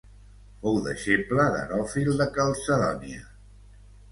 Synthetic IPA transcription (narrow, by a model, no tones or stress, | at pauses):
fɔwðə̰ʃepləðə̰ɾɔfilˠd̪əkəlˠsəðɔniə